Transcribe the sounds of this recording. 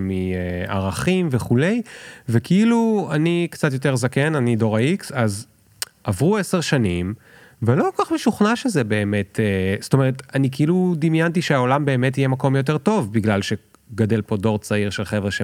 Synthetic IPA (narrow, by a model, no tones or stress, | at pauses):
mia̰ʁaχimveχule̞jvekʰiiluanikt͡sat̪̬jot̪̬e̞ʁzakenanido̞ʁaiksaz | ʔavʁueseʁʃanim | velo̞kokaχmeʃuχnaʃezebeːmetesto̞me̞ʁet̪anikeilud̪imjant̬iʃeaolambe̞ːmetijemako̞mjot̬eʁto̞vbiɡlalʃe̞ | ɡade̞lpo̞do̞ʁt͡saiʁʃelχevʁeʃe